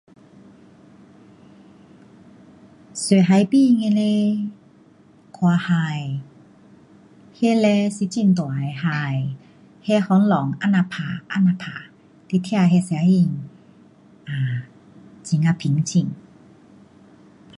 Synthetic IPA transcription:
se˨ɦa˧˦jpi˥˧˨ŋe˧le˧˦ | kʰwa˧ha˧j | he˧˦lɛ˧˦si˧˦t͡ɕi˧˨nt̪wa˨jha˧˩j | he˧˦hɔ˧˦nlɔ˨˦ŋa˧˨na˧pʰa˨ʔa˧˥˨na˧˨pʰa˨ | t̪i˧˦t̪ʰja˥˧˨ɦɛ˧sɛ˧a˧˦ji˧˨ŋ | ʔa˨˩ | t͡ɕi˨˩ŋa˧pʰi˨˦ŋt͡ɕʰi˧˨ŋ

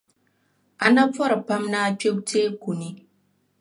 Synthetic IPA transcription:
ʔa˨na˦fɔ˦ɾpa˦mna˦t͡ʃʲo˦k̚teː˦kʷu˨ni˦

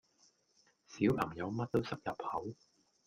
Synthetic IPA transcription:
siː˨˥wpʰɐ˨˩ŋjɐ˨˧wmɐ˥t̚t̪o˥wsɐ˥k̚jɐ˨p̚hɐ˨˥w

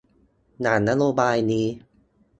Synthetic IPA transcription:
naː˩˦nːa˦˥ɾoː˧baː˧jniː˦˥

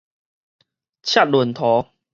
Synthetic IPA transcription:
t͡ɕʰa˥t̚lu˨˩nt̪ʰɔ˨˦

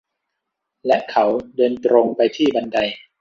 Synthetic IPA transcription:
lɛ˦˥ʔkʰa˨˦wdɤː˧nt̪ɾoː˧ŋpa˧jt̪ʰiː˥˩ba˧nda˧j

